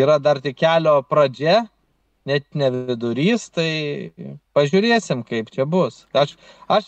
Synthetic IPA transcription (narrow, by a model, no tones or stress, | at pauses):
iːɾɐd̪ɐrt̪ʲɪkkʲæːlʲoːpɾɐd͡ʒʲɛ | nʲɛt̪nʲɛʋʲɪd̪ʊɾʲiːst̪ɐɪ | pɐʒʲʊɾʲeːsʲɪmkɐɪpt͡ʃʲɛbʊsɐʃɐʃ